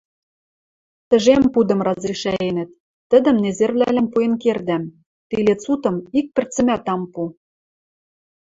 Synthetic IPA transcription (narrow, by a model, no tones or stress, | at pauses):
t̪ə̆ʒempud̪ɤ̆mrɑzriʃæenə̆t̪̚ː | ə̆d̪ə̆mnezervlælɘ̆mpuenkerd̪æm | t̪ilet͡sut̪ɤ̆mik̚pɘ̆rt͡sɘ̆mæt̪ɑmpu